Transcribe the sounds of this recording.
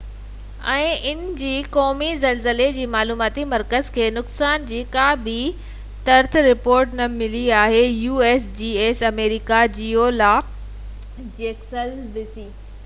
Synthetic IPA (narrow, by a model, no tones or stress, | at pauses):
ɛ̃ːʔɪnd͡ʑiːkɔːmizɐlzəled͡ʑiːmaːluːmaːt̪imɐɾkəzkʰeːnʊksaːnd͡ʑiːkaːbi | t̪ɐɾt̪ʰɾɪpoːɾʈnɐmɪliaːɦejuːeːsd͡ʑiːeːsɐmeːɾɪkad͡ʑiːolaː | d͡ʑeːksɐlʋɪsiː